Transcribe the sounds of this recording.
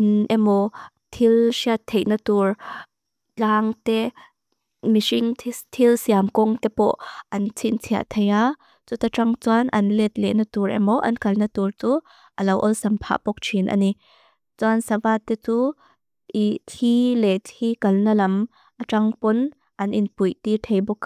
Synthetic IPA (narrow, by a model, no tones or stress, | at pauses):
ʔinʔɛmɔ | t̪ʰilsiat̪ʰːeʔnat̪ur | laːŋt̪ɛ | misiŋʰt̪ʰilsiamkɔŋt̪ɛpɔʔʔɐnt͡sʰint͡sʰia̰ʔt̪ʰeja | t͡sut̪aʈ͡ʂɐŋt͡swanʔɐ̰nlɛt̪̚lɛʔnɐt̪uɾʔɛ̰mɔʔɐ̰nkɐlnɐt̪urt͡su | ʔɐlɐwʔɔlsɐmpʰa̰ːʔpɔk̚t͡ʃʰinʔɐ̰ni | t͡sansɐvaːt̪ːɛt͡su | ʔit̪ʰilɛt̪ʰikɐlnɐlɐm | ʔaʈ͡ʂɐŋpɔn | ʔɐnʔinpujt̪it̪ʰejbɔk